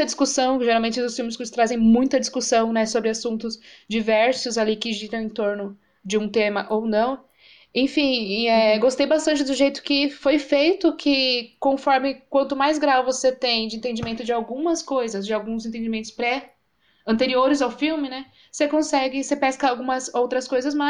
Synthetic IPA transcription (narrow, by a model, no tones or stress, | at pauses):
ɐd͡ʒiskusɐ̃w̃kʒeɾawmẽnt͡ʃɪʊsfiwmɪskɪst̪ɾazẽj̃mũj̃t̪ɐd͡ʒiskusɐ̃w̃nɛsobɾɪasũnt̪ʊzd͡ʒivɛɾsʊzalikɪʒiɾɐ̃w̃ẽj̃t̪oɾnʊ | d͡ʒɪũt̪ẽmɐʔownɐ̃w̃ | ẽj̃fĩɛɡost̪ejbast̪ɐ̃nt͡ʃɪd̪ʊʒejt̪ʊ̥kɪfojfejt̪ʊkʰɪkõfɔɾmɪkwɐ̃nt̪ʊmajzɡɾawvoset̪ẽj̃d͡ʒɪẽnt̪̬ẽnd͡ʒɪmẽnt̪ʊd͡ʒɪawɡũmɐskojzɐzd͡ʒɪawɡũzẽnt̪ẽd͡ʒɪmẽnt̪ʊ̥spɾɛ | ɐ̃nt̪eɾioɾɪzawfiwmɪnɛ | sekõsɛɡɪsepɛskɐawɡũmɐzowt̪ɾɐskojzɐsmɐ